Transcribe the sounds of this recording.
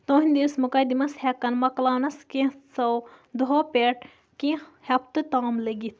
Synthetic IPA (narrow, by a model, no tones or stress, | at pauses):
t̪õːɦinʲd̪ismukɐd̪imɐshekːɐnmɐklaːnɐskẽsɐw | d̪ɦopeʈ | kĩhɐp̚t̪ɨt̪aːmleɡit̪̚ʰ